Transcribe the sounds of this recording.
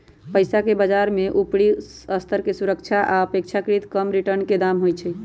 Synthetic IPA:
pəjsakebad͡ʒaɾmeʔupɽi | əst̪ʰəɾkesuɾəkt͡ʃʰaʔaəpek̚t͡ʃʰakɾit̪kəmɾiʈəɾnked̪amɦojt͡ʃʰɛ

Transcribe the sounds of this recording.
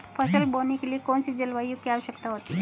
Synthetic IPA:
pʰɐsəlboːnekeliekɔːnsid͡ʒɐlʋaːjõkiaːʋəʃjəkt̪aɦoːt̪i

